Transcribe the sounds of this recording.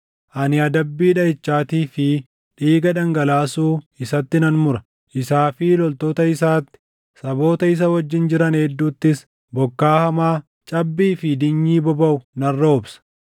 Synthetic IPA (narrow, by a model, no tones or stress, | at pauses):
ʔɐnɪɐd̪ɐbːiːᶑɐɪt͡ʃːaːt̪iːfɪ | ᶑiːɡɐᶑ̪ɐŋɡɐlaːsuːɪsɐt̪ːɪnɐnmʊɾɐ̥ | ʔɪsaːfɪlɔlt̪oːt̪ɐɪsaːt̪ːɪ̥ | sɐbo̞ːt̪ɐɪs̬ɐwɐd͡ʒːɪnd͡ʒɪɾɐneːd̪ːuːt̪ːɪs | bɔkːaːhɐmaː | t͡ʃʼɐbːiːfɪd̪ɪɲːiːbɔbɐʊnɐrːɐʊbsɐ̥